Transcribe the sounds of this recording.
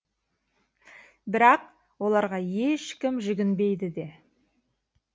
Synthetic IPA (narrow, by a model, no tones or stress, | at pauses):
bɪɾɑq | wo̞lˠɑɾʁɑje̞ʃkʲɪmʒʏɡʲɪnbe̞jd̪ɪd̪e̞